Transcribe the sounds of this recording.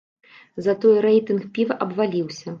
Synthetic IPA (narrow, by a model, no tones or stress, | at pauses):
zɐt̪ɔjɾɛjt̪ɨnxpʲivɐʔɐbvalʲiwsʲɐ